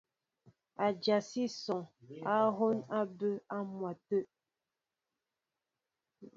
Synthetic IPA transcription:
a˨d͡ʒa˨si˦sɔ˨ŋa˦ɦo˦na˦bə˦a˦mwa˨tə˦ʔ

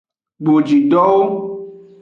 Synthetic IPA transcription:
ɡ͡bo˨d͡ʒi˨ɖɔ˦wo˦

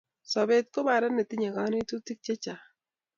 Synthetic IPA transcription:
sɔ˨be˨t̪̚ko˦ba˨ɾa˦nːe˨t̪ɪ˦ɲa˨ɡa˨˦ne˦tu˦ti˦k̚t͡ʃe˦t͡ʃa˨

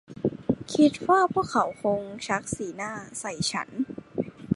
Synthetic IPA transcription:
kʰi˦˥t̪̚waː˥˩pʰu˥˩əkʰːa˩˦wkʰo˧ŋt͡ɕʰa˦˥k̚siː˩˦naː˥˩sa˨˩jt͡ɕʰa̰˦˥n

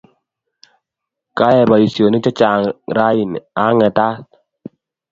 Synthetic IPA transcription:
ka˦jɛ˨ba˨i˨sjo˨ni˦t͡ʃɔ˦t͡ʃa˨ŋɾa˦i˨na˦ŋɛ˨ta˦t̚

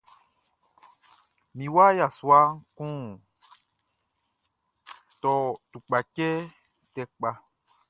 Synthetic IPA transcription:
mĩ˨wa˦ja˨swa˦ŋ˦kũ˦˨ | t̪ɔ˨t̪u˨k͡pa˨kɛ˦ | tɛ˨k͡pa˨

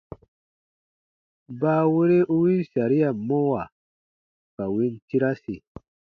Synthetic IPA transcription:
baː˦we˦ɾe˦ʔu˦wi˦sa˨ɾi˦ja˨mɔ˦wa˨ | ka˨wi˦n˦ti˦ɾa˦si˨

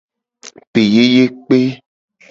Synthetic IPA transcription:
pe˨je˦je˦k͡pe˦

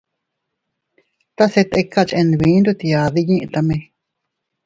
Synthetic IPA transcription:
t̪a˦se˧t̪e˧kːa˦˨t͡ʃẽ˧nd̪βĩ˨˦nɾu˧t̪i˧a˨ði˧ɲĩ˦ʔĩ˧t̪a˧mẽ˧

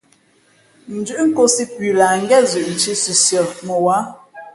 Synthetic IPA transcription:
n̩˨d͡ʒʉ˦ʔŋ̩˦ko˦si˦pɥʉ˨la˨ŋ̩˦ɡɛ˦˨zʉ˨ʔn̩˨t͡ʃi˦sʉ˨sjə˨mə˨wa˨˦

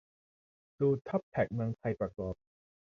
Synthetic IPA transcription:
tuː˧t̪ʰɔ˦˥p̚t̪ʰɛ˨˩k̚mɯ˧ŋt̪ʰa˧jpɾa˨˩kɔː˨˩p̚

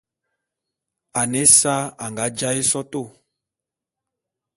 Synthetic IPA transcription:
a˨ne˦sa˦a˨ŋɡa˨˦d͡ʒa˦e˦sɔ˦to˦˨

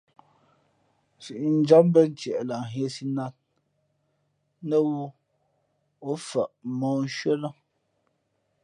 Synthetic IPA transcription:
si˨ʔi˨n̩˦d͡ʒa˦mbə˦n̩˨tjɛ˨ʔla˨ɦɛ˦si˦na˦t̚ | nə˦wu˦ | o˨˦fə˨ʔmɔː˨˦n̩˦ʃɥə˦la˦

